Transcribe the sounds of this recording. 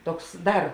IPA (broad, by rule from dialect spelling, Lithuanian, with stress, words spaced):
ˈtoːks ˈdɐr